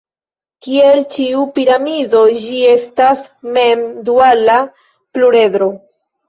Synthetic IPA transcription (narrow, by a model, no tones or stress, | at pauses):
kie̞lt͡ʃiupiɾamido̞d͡ʒie̞stasme̞mduala | pluɾe̞dɾo̞